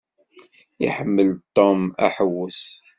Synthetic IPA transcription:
ḭħəmːəlt̪ːomæ̰ħəwːəs

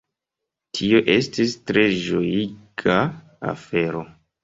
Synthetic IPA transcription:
tʰio̞ʔe̞stistɾe̞ʒojikʰa | a̰fe̞ɾo̞

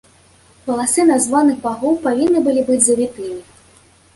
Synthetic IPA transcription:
pɐlˠasɨnazvanɨɣbaɣɔwpavʲinːɨbɨlʲibɨd͡zʲzɐvʲit̪ɨi

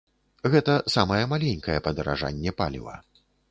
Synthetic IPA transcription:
ɣɛt̪ɐsamɐjɛmalʲenʲkɐjɛpɐd̪ɐɾa̰ʐa̰nʲːɛpa̰lʲḭvɐ̰

